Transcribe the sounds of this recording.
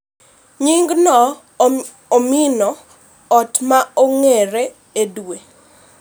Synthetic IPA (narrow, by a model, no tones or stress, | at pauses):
ɲiŋɡnɔ | ominɔ | ɔtmaoŋeɾe | edwe